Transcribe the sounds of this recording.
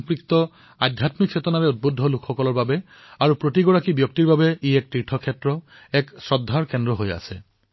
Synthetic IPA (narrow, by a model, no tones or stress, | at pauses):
ŋpɹikt̪ɔ | adʱjatmikʰːsetɔnaɹɛut̚bodʱːɔlukʰxɔkɔlɔɹbabɛ | aɹupɹotiɡɔɹakibjɔk̚tiɹbabɛiɛk̚tɹiʈʰɔkʰɛtɹɔ | ɛksɹɔdʱːaɹkɛndɹɔɦoja̰sɛ̰